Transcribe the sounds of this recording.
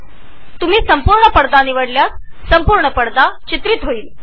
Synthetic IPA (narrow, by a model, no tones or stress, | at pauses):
t̪um̤iːsəmpuɾɳəpəɽd̪aniʋəɽljas | səmpuɾɳəpəɽd̪at͡ɕit̪ɾit̪ɦoiːl